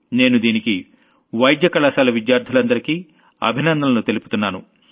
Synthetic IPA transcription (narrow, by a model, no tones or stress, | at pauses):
ne̞ːnud̪iːniki | ʋɐjd̪jɐkɐlɐsaːlɐʋid̪jaːɾd̪ʱulɐnd̪ɐɾiki | ɐ̰bʱinɐnd̪ɐlɐnut̪elupu̥t̪unːaːnu